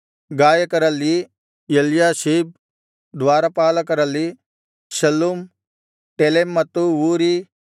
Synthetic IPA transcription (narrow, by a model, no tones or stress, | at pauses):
ɡaːjɐkɐɾɐlːi | eljaːʃiːb̚ | d̪ʋaːɾɐpaːlɐkɐɾɐlːi | ʃɐlːum | ʈelemːɐt̪ːuuːɾi